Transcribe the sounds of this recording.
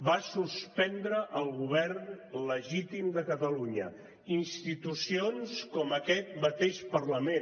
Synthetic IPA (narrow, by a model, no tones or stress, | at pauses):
basuspɛnd̪ɾəʔəlˠɣuβɛɾnləʒit̪imd̪əkət̪əluɲə̰ | inst̪it̪usionskɔməkɛt̪̚mət̪eʃpərləmen